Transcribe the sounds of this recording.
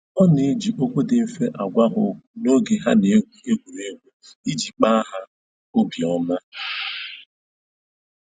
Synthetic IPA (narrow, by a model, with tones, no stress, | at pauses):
ɔ˦ne˦d͡ʒi˨ʔo˦kʷo˦dɪ˨m̩˦fe˦ʔa˨ɡʷa˦ɦʊ˨no˦ɡe˨ɦa˦ne˨˦ɡʷu˨e˦ɡʷu˨ne˦ɡʷu˨i˦d͡ʒi˨k͡pa˦ɦa˦ | o˦bjɔ˦ma˦